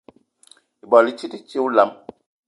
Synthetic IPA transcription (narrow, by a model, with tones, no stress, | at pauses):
i˨bɔ˨li˦t͡ʃi˦ti˦t͡ʃi˦wla˨˦m